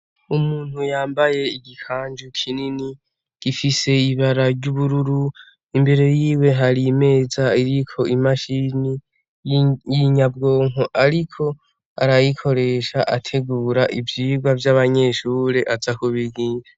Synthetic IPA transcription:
umuːn̥hujaːmbaje̞iɡikʰaːnd͡ʒukʰinini | ɡ̥ifise̞iβaɾaɾɟuβuɾuɾu | imbe̞ɾe̞jiːwe̞ɦaɾime̞ːzaiɾikʰo̞imaʃini | jiɲabɡo̞ːŋoʔaɾikʰo̞ | a̰ɾajikʰo̞ɾe̞ʃaʔatʰe̞ɡuːɾaʔivjiːɡwavjaβaɲe̞ʃuːɾe̞ʔazakuβiɡiːza

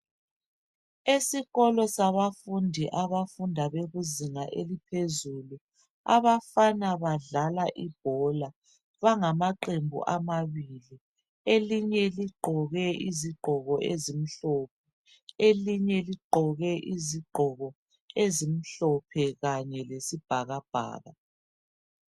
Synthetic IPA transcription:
esiɣɔlɔsaβafundʱiʔaβafundʱaβeɣuziŋaʔelipʰezulu | a̰βafanaβaɮalaʔib̥̚ʱɔla | βaŋamaǃembʱṵʔamaβili | eliɲɛliɡ͡ǃʱɔɣɛʔiziɡ͡ǃʱɔɣɔʔezim̩ɬɔp̚ʰɛ | eliɲɛliɡ͡ǃʱɔɣɛʔiziɡ͡ǃʱɔɣɔ | ezim̩ɬɔpʰɛɣaɲɛlesib̥ʱaɣab̥ʱa̰ːɣa

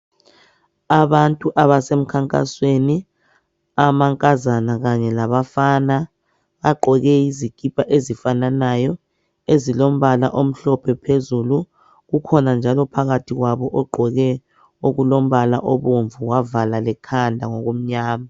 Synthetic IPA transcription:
aβantʼuʔaβasem̩kʰaŋkʼa̰sweni | amaŋkʼazanaɣaɲɛlaβafana | ɣaɡ͡ǃʱɔɣɛizikʼipʼaʔezifananajɔ | ezilom̩βalaʔom̩ɬɔpʰɛpʰezulu | ɣukʰɔnand͡ʒʱalɔpʰaɣatʰiɣwaβɔʔɔɡ͡ǃʱɔɣɛ | oɣulom̩βala̰ʔɔβoɱvuɣwavalalɛkʰandʱaŋoɣum̩ɲaːma

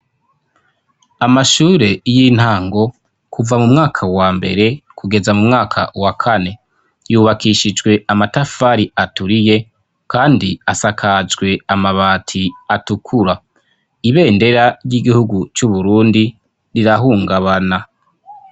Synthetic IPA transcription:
amaʃuːɾe̞jiːn̥haːŋɡo̞ | kʰuvamumŋaːkʰawaːmbe̞̰ɾe̞kuɡe̞zamumŋaːkʰa̰wakʰane̞ | juβakiʃid͡ʒɡwe̞amatafaɾiatuɾije̞ | kaːndiasakʰad͡ʒɡwe̞amaβaːtʰiatukʰuɾa | iβe̞ːnde̞ɾaɾjiɡihuɡut͡ʃuβuɾuːndi | ɾiɾaɦuːŋɡaβana

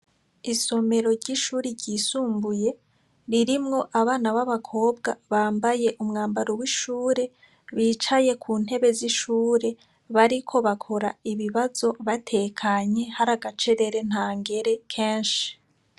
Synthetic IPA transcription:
iso̞me̞ɾo̞ɾɟiʃuːɾiɾɟiːsuːmbuje̞ | ɾiɾimŋo̞ʔaβaːnaβaβakʰo̞ːbɡaβaːmbaje̞ʔumŋaːmbaɾowiʃuːɾe̞ | βiːt͡ʃaje̞kʰuːn̥he̞βe̞ziʃuːɾe̞ | βaɾikʰo̞βakʰo̞ɾaiβiβazo̞βatʰe̞kʰaɲe̞haɾaɡat͡ʃe̞ɾe̞ɾe̞n̥haːŋɡe̞ɾe̞kʰe̞ːnʃi̥

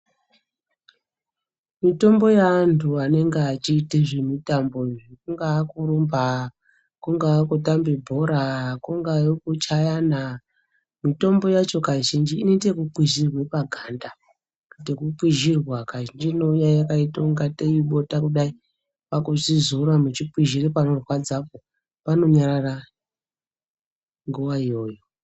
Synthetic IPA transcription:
mito̞mbo̞jaantʰuane̞ŋɡeat͡ʃiːteʐemitambo̞ʐkuŋɡaːkuɾumba | kuŋɡaːkutambibʱo̞ɾakuŋɡajokut͡ʃajana | mito̞mbo̞jat͡ʃo̞kaʒind͡ʒiːnetekuǃwiʒirwepaɡʱanda | tekuǃwiʒirwakaʒind͡ʒinoujajakaitoŋɡatejiɓo̞takuɗai | pakuʐizuɾamut͡ʃipwiʒiripanorwad͡zapo | pano̞ɲaɾara | ŋɡuʋaijo̞ːjo

